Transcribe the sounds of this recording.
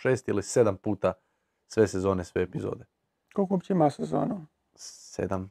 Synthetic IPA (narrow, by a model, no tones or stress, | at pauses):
ʃeːst̪ilised̪ampuːt̪a | sʋe̞sezo̞ːnesʋeːpizo̰ːd̪e | kolˠkoobt͡ɕimasezo̰ːnu | sḛd̪am